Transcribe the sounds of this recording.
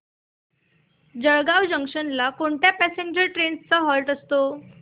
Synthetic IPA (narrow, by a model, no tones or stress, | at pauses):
d͡ʑəɭɡawd͡ʑəŋkʂənlakoɳʈjapæseɲd͡ʑəɾʈɾenst͡səɦɔlʈəst̪o